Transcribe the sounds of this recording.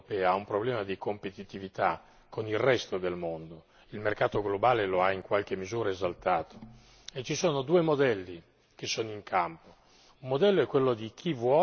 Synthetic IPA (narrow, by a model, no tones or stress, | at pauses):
pɛːaaumpɾoblɛːmad̪ikompet̪it̪ivit̪a | kːonilrɛst̪od̪elmond̪o | ilmerkaːt̪oɡlobaːleloaiŋkwalk̟emːizuːɾaezalt̪aːt̪o̥ | et͡ʃisoːnod̪uːemod̪ɛlːi | k̟esːoːnoiŋkʰampo | umːod̪ɛlːoɛkːwelːod̪ik̟ʰivwɔ